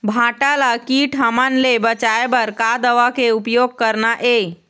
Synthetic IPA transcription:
bʱãʈalakiʈʰɦamanlebət͡ʃaebəɾkad̪əʋakeupjoɡ̚kəɾnaʔe

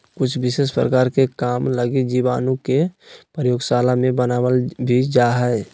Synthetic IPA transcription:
kʊt͡ʃʰbɪseːspɾə̰kaːɾkekaːmləɡid͡ʒiʋaːnõkepɾəjoːɡsaːlamẽbənaːwəlbʱid͡ʒaːɦɛɛ

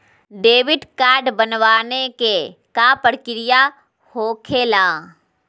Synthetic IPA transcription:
ɖeːʋɪɖkaːɾɖbənʋaːnekekapəɽkɪɾɪja | hoːkʰeːlaː

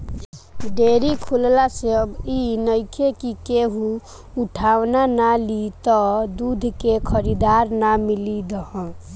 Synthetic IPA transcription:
ɖeɾikʰullasebinəjkʰekikeɦũ | uʈʰawnanalit̪ɔd̪ud̪ʱkekʰəɾid̪aɾnamilid̪əɦə̃

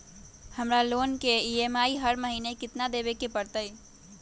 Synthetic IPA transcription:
həmɾalonkeiemaiɦəɾməɦinekɪt̪nad̪ebekepəɾt̪əj

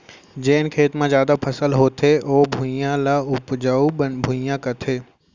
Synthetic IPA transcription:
d͡ʒeːnkʰeːt̪mãzjaːd̪apʰɐsəlɦoːt̪ʰeʔoːbʱujãlaʊpd͡ʒaubʱujãkɐt̪ʰeː

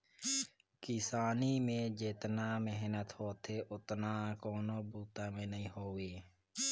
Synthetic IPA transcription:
kɪsaːniːmẽːd͡ʒeːt̪naːmeɦnət̪hoːt̪ʰeːʔʊt̪nãːkoːnõːbuːt̪ãːmẽːnəĩːɦoːʋeː

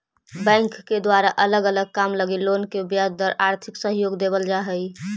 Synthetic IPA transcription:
bɛ̃ŋkːed̪waɾaʔələɡələɡ̚kamləɡiloːnkebjad̪əɾʔaɾt̪ʰɪksəɦjoːɡd̪ebəld͡ʒaɦəi

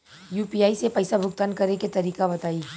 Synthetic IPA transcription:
juːpiːaːisepɐɪsabʱʊkt̪ankɐɾeket̪ɐɾiːkabɐt̪aːi

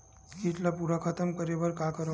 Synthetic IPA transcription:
kiʈlapuɾakʰət̪əmkəɾeʋəɾkakəɾ

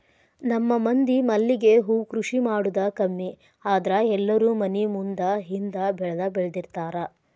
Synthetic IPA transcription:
nɐmːɐmɐnd̪imɐlːiɡe̞ɦuːkɾuʂimaːɽud̪ɐkɐmːi | aːd̪ɐɾɐɛlːɐɾuːmɐnimund̪ɐɦind̪ɐbɛɭɐd̪ɐbɛɭɐd̪iɾt̪aːɾɐ

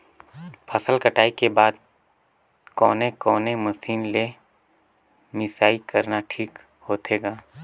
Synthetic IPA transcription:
pʰəsəlkəʈaːikebaːd̪̚ | kɔːnekɔːnemɐsiːnle | mɪsaːikəɾnaʈʰiːk | hoːt̪eːɡaː

